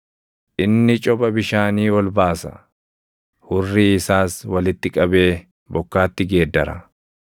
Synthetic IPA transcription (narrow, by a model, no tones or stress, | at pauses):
ʔɪnːɪt͡ʃʼɔpʼɐbɪʃaːniːwɔlbaːsɐ̰ | hʊrːiːɪsaːswɐlɪt̪ːɪkʼɐbe̞ː | bɔkːaːt̪ːɪɡe̞ːd̪ːɐɾɐ